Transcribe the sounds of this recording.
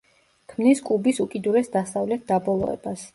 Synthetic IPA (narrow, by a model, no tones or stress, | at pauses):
kʰmniskʼubisukʼid̪uɾɛsd̪asavlɛt̪̚ʰd̪̥abɔlˠɔ̰ɛ̰bas